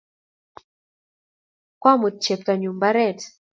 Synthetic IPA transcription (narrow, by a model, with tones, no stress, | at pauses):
kwa˦mu˨t̚t͡ʃe˨p̚ta˨ɲu˨mba˦ɾɛ˦˨t